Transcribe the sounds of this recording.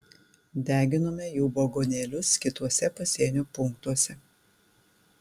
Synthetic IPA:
d̪ʲæːɡʲɪnoːmʲɛjuːboɡoːnʲeːlʲʊskʲɪt̪uɔsʲɛpɐsʲiːnʲuːpʊŋkt̪uɔsʲɛ

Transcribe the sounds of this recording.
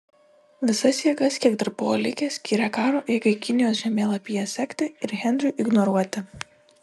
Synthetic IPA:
ʋʲɪsɐsjiːɡɐskʲiɛkd̪ɐɾbʊolʲɪkʲɛsʲkʲiːɾʲɛkɑːɾoːʔeːɡɐɪkʲɪnʲɪjoːsʒʲɛmʲeːlˠɐpʲiːjɛsʲɛkʲt̪ʲɪɪɾɣʲɛnʲd̪ʲɾʲuˑʔɪɡnɔɾuɔt̪ʲɪ

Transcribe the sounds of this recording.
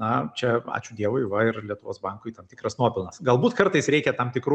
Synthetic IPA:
nɐt͡ʃʲɛɑ̰ːt͡ʃʲʊd̪ʲiɛʋoɪʋɐɪrlʲiɛt̪ʊʋo̰ːsbɐŋkʊɪt̪ɐmt̪ʲɪ̥kɾɐsnuɔpʲɪlˠnɐsɡɐlˠbuːt̪kɐɾt̪ɐɪsɾʲɛɪkʲɛt̪ɐmt̪ʲɪkɾuː

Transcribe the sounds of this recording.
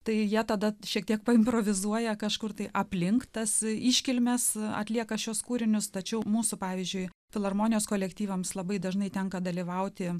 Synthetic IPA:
t̪ɐɪjiɛt̪ɐd̪ɐʃʲiɛk̚t̪ʲiɛk̚pɐɪmpɾoːʋʲɪzuɔjɛkɐʃkʊrt̪ɐɪʔɐpʲlʲɪŋkt̪ɐsiːʃʲkʲɪlʲmʲɛsɐ̰t̪ʲlʲiɛkɐʃʲuɔskuːɾʲɪnʲʊst̪ɐt͡ʃʲɛʊmuːsʊpɑːʋʲɪzʲd͡ʒʲʊɪ | fʲɪlˠɐrmoːnʲɪjoːskoːlʲɛkt̪ʲiːʋɐmslˠɐbɐɪd̪ɐʒnɐɪt̪ʲɛŋkɐd̪ɐlʲiːʋɐʊt̪ʲɪ

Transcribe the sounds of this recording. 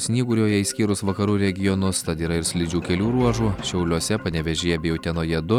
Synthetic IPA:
sʲnʲiːɡuːɾʲoːjɛisʲkʲiːɾʊsʋɐkɐɾuːɾʲɛɡʲɪjɔnʊst̪ɐt̪iːɾɐɪɾsʲlʲɪd͡ʒʲuːkʲɛlʲuːɾuɔʒuːʃʲɛʊlʲuɔsʲɛpɐnʲɛʋʲɛʒʲeːjɛbʲeːjɛʊt̪ʲɛnoːjɛd̪ʊ

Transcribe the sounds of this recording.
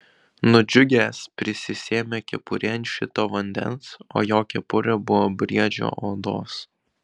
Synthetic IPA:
nʊd͡ʒʲʊɡʲeːspʲɾʲɪsʲɪsʲeːmʲekʲɛpʊɾʲɛnʲʃʲɪt̪oːʋɐnʲd̪ʲɛ̰nso̰ːjoːkʲɛpʊɾʲɛbʊʋoːbʲɾʲiɛd͡ʒʲo̰ːʔoːd̪o̰ːs

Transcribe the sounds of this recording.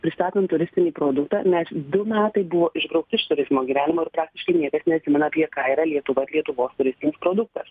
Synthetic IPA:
pʲɾʲɪst̪ɑːt̪ont̪ʊɾʲɪsʲt̪ʲɪnʲiːpɾoːd̪ʊkt̪ɑ̰ːnʲɛsd̪ʊmʲæːt̪ɐɪbʊʋoːʔɪʒbɾɐʊk̚t̪ʲɪɪʃt̪ʊɾʲɪzmoːɡʲiːʋʲæːnʲɪmoːɪɾpɾɑːk̚t̪ʲɪʃkɐɪnʲiɛkɐsnʲɛɐt̪ʲsʲɪmʲɛnɐpʲiɛkɑiɾɐlʲiɛt̪ʊʋɐɪɾlʲiɛt̪ʊʋoːst̪ʊɾʲɪsʲt̪ʲɪnʲɪspɾoːd̪ʊk̚t̪ɐs

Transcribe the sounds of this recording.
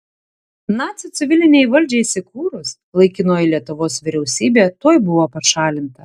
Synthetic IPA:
nɑːt̪sʲɪt̪sʲɪʋʲɪlʲɪnʲɛɪʋɐlʲd͡ʒʲɛɪsʲɪkuːɾʊs | lˠɐɪkʲɪnoːjɪlʲiɛt̪ʊʋoːsʋʲɪɾʲɛʊsʲiːbʲeːt̪oːjbʊʋoːpɐʃɑːlʲɪnt̪ɐ

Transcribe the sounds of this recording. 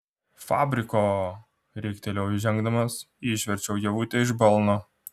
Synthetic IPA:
fɑ̰ːbʲɾʲɪkoː | ɾʲɛɪkʲt̪ʲɛlʲɛʊʒʲɛŋɡd̪ɐmɐs | iːʃʲʋʲɛɾʲt͡ʃʲɛʊjɛʋuːt̪ʲeɪʒbɐlˠnoː

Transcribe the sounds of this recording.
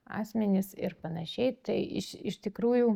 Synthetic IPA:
ɑ̰ːsʲmʲɛnʲɪsɪrpɐnɐʃʲɛɪt̪ɐɪɪʃɪʃt̪ʲɪkɾuːjuː

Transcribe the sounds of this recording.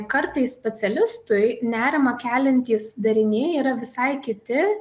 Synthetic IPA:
kɐɾt̪ɐɪssʲpʲɛt̪sʲɛlʲɪst̪ʊɪnʲæːɾʲɪmɐkʲæːlʲɛnʲt̪ʲiːsd̪ɐɾʲɪnʲeːiːɾɐʋʲɪsɐɪkʲɪt̪ʲɪ

